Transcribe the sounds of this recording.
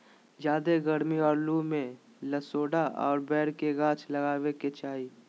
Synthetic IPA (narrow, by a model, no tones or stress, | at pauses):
d͡ʒjaːd̪eɡəɾmiɔːɾlumẽ | ləsoːɽaɔ̰ːɾbɛːɾkeɡãːt͡ʃʰləɡaːweket͡ʃaːi